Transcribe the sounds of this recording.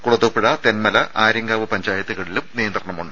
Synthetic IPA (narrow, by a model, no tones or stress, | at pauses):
kuɽɐðoːpːiɽɐt̪enmɐlɐʔʔaːɾɐŋɡaːʋɨpɐɲd͡ʑaːjɐt̪ːuɣɐɽilumnijɐnd̪rɐɳɐmuɳɖɨ